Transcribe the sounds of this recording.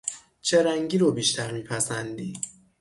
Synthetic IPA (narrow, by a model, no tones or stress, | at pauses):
t͡ʃʰeɾæŋɟiːɾobiːʃt̪ʰæɾmiːpʰæsænd̪iː